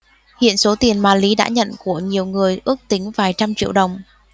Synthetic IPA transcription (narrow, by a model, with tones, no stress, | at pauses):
hḭ˧˨ənso˨˦t̪i˨˩ənmaː˨˩li˨˦ɗa̰ː˧˥ɲə̰˧˨nku˧˩əɲi˨˩əwŋɨ˨˩əjʔɨ˦˥ək̚t̪ï˨˦ŋ̟vaː˨˩jt͡ɕa˧mt͡ɕḭ˧˨əwɗə˨˩wŋ͡m